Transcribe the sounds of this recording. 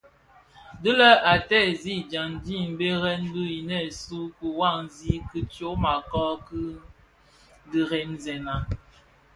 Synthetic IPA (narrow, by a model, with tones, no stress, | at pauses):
də˦lə˦ʔa˨tɛ˦˨zi˦˨d͡ʒa˨ndi˦m̩˨be˦ɣɛ˦n˦du˦ji˨nɛ˦˨su˦ku˨wa˦˨ŋzi˦kɨ˦t͡ʃjo˦ma˨kɔ˦kɨ˦ | di˨ɣe˨˦nzɛ˨na˨